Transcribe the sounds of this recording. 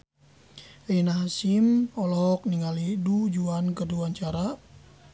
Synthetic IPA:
einaɦasimɔlɔk̚niŋalidud͡ʒuankəduaɲt͡ʃaɾa

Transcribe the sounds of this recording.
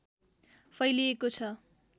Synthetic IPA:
fʰʌjliekot͡sʰʌ

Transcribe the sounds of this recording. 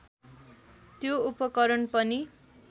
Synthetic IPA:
t̪joupʌkʌɾʌnpʌni

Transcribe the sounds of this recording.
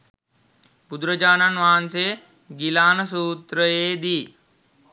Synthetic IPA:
bud̪ɾəd͡ʒaːnɐnʋaːnseː | ɡilaːnɐsuːt̪ɾəeːd̪iː

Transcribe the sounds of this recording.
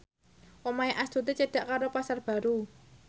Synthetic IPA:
ʔomaeʔast̪ut̪et͡ʃəɖ̥a̤ʔkaɾopasarb̥a̤ɾu

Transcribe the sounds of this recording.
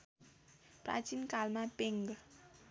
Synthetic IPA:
pra̰t͡sinkalmapeŋɡ

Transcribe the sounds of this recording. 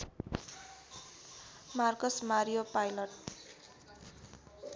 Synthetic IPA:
markʌsmaɾijopajlʌʈ̚

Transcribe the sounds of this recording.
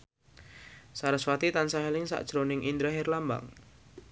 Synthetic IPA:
saɾəswat̪it̪ansaɦɛlɪŋsa̰ʔd̥ʒ̥ɾonɪŋʔind̪ɾaɦɪrlamba̰ŋ

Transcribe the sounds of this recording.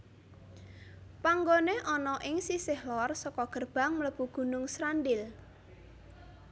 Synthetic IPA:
paŋɡoneʔɔnɔʔɪŋsisɪhlɔrsɔkɔɡ̥ərb̥a̤ŋmələpuɡ̥ṳnʊŋsɾandɪl

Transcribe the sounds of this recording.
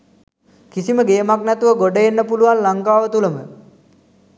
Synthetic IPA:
kisiməɡejəmaknæt̪uʋəɡoɖəjenːəpuluʋanlaŋkaːʋət̪uləmə

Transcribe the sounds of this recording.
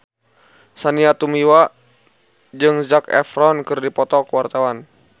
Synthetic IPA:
saniat̪umiwa | d͡ʒɨŋzakɛ̰fɾɔnkɨrdipɔt̪ɔkəwart̪awan

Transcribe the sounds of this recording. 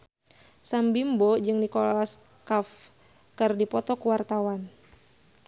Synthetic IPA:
sambimbɔd͡ʒɨŋdikɔlas | kaf | kɨrdipɔt̪ɔkuwart̪awan

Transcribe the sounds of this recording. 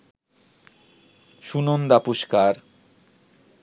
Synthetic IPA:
ʃunond̪apuʃkaɾ

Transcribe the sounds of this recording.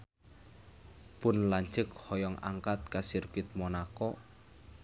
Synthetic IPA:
pʊnlaɲt͡ʃək̚hɔjɔŋa̰ŋkat̪̚kasirkɪt̪̚mɔnakɔ

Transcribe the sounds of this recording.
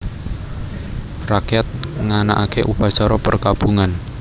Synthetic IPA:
rakjɛt̪̚ŋanaʔakeʔupat͡ʃaɾɔpərkab̥uŋan

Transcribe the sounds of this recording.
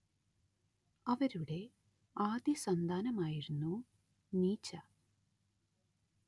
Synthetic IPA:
ɐʋɐɾuɽe̞ | aːd̪jisɐnd̪ʱaːnɐmaːjiɾunːu | niːt͡ɕːɐ

